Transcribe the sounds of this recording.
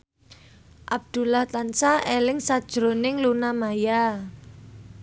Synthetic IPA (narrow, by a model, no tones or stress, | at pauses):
ʔab̥̚d̪̥ṳlaht̪ansaʔelɪŋsad̥ʒ̥ɾo̤nɪŋlunamaja